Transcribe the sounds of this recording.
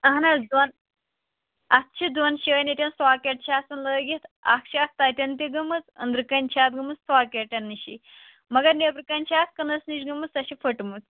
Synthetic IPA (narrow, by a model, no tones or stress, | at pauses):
ɐɦnɐld̪wɐn | ɐt̪̚t͡ʃʰid̪wɐnʃiɐnit̪ʲɐnsaːkʲeʈ̚t͡ʃʰaːsɐnləːɡit̪ʰa̰kʃaːk̚t̪ɐt̪ʲɐnt̪iɡɐmɨt͡sɐ̰nd̪ɾɨkɐnʲt͡ʃʰaːt̪̚ɡɐmɨt͡ssaːkʲeʈʲɐnːiʃḭ | mɐɡɐɾnepɾɨkɐnʲt͡ʃʰaːt̪̚kɐnɐsniʃɡɐmɨsɐʃifʰɐʈmɨt͡s